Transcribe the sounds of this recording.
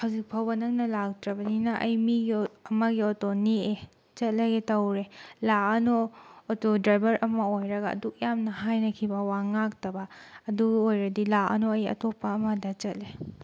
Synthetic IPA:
hawzik̚pʰawbɐnɐk̚nɐlak̚tɾɐbɐninɐʔɐjmiɡiɐmɐɡiotonie | t͡ʃɐt̚lɐɡetɐwɾelaɐnoːtodɾajbɐɾʔɐmɐojɾɐɡɐ̰ːduk̚jamnɐɦajnɐkʰibɐwaŋak̚tɐbɐːduɡojɾɐdilaɐ̰noɐjɐ̰topːɐːmɐdɐt͡ʃɐt̚le

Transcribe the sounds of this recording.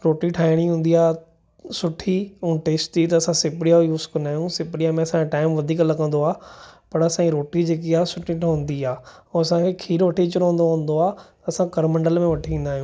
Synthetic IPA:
ɾoːʈiʈʰaːɪɽ̃iɦũːn̆d̪iaː | sʊʈʰiũːʈeːsʈit̪ɐːsãsɪpɪɽijajuːzkɐ̃nd̪aːɦjũsɪpɽijamẽɐsãaʈaːɪmʋɐd̪ʱiːklɐɡə̃nd̪oaːpɐɾɐsãiɾoːʈid͡ʑeːk̬iaːsʊʈʰiʈʰːɦʊ̃ːn̆d̪iaːoːɐsãkʰekʰiːɾʋɐʈʰit͡ʃʊɾoʊ̃nd̪oɦũn̆d̪oaːt̪ɐːsãkɐɾmɐ̃ɳɖəlmẽʋɐʈʰiĩːnd̪aːɦijũː

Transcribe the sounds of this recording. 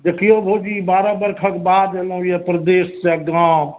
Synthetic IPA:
d͡ʒekiobʱod͡ʒibaɾəbəɾkʰəkbad̪eləɦjepɾəd̪essɛk̚d̪am

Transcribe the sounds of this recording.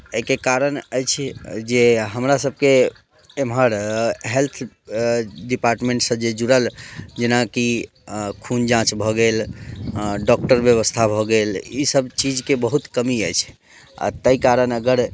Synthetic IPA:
əikekaɾənəjt͡ʃʰd͡ʒeɦəmɾasəb̚ʱke | emɦəɾɦelt̪ʰ | ɖipaɾʈmẽɳʈsəd͡ʒed͡ʒuɾəld͡ʒenaki | kʰund͡ʒãt͡ʃbʱɔɡel | ɖɔk̚ʈəɾbjəβəst̪ʰabʱɔɡelisəbt͡ʃid͡ʒkebəɦut̪kəmiəjt͡ʃʰ | a̰t̪əikaɾənəɡəɾ

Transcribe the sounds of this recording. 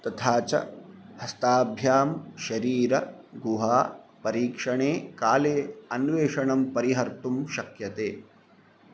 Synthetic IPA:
t̪ɐt̪ʰaːt͡ʃɐ̰hɐst̪aːbʱjaːmʃɐɾiːɾɐ | ɡuɦaːpɐɾiːkʂɐɳeːkaːleːɐnʋeːʂɐɳɐmpɐɾiɦɐɾt̪umʃɐkjɐt̪eː

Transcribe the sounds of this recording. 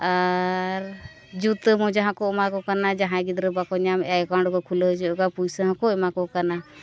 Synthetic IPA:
aɾ | d͡ʒut̪əmɔ̃d͡ʒaɦãkɔɛmakɔkanad͡ʒaɦãɡid̪ɾəbakɔɲamɛkaɳɖkɔkʰuləd͡ʒɔkapujsəɦãkɔɛmakɔkana

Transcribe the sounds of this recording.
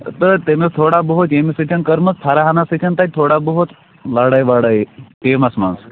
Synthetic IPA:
t̪ət̪emest̪ʰoɽabəɦot̪emisit͡ʃ̪ʲʰənkəɾmɐst̪ʰaɾaɦanasit͡ʃʲʰɐnt̪at̚ʲt̪ʰoɽabəɦot̪ | laɽajʋaɽajʈemɐsmans

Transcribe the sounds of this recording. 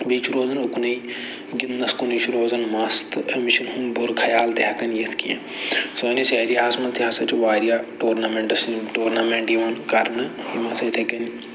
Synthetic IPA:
biːt͡ʃʰuɾoːzɐnʊknɐi | ɡɪnnɐskʊnit͡ʃʰɾoːzɐnmɐst̪emiʃɐnɦumbʊɾkʰɐjaːlt̪eɦɐkɐnjet̪ʰkḭjḛ̃ | soniseːɾiɦaːsmɐt̪iɦaːsɐt͡ʃʋaːɾijaːʈoːɾnaːmẽɳʈɐsʈoːɾnaːmẽɳʈjiʋɐnkɐɾniʋɐ̃nsɐt̪ʰekɐn

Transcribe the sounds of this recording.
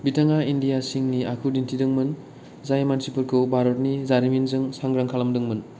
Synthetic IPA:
bitʰaŋaindijasiŋniakʰudintʰidɯŋmɯn | zajmansipɯɾkʰɯwbʱaɾotnizaɾiminzɯŋsaŋɡɾaŋkʰalɐmdɯŋmɯn

